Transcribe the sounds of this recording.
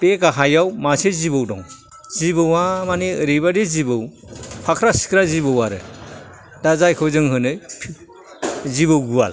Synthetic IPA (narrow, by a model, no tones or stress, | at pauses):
pekaɦajawmasezibɯwdɔŋ | zibɯwamaniɯɾibadezibɯw | pʰakʰɾasi̥kʰɾazibɯwaɾɯ | dazajkʰɯwzɯŋɦɯnɯpʰ | zibɯwɡua̰l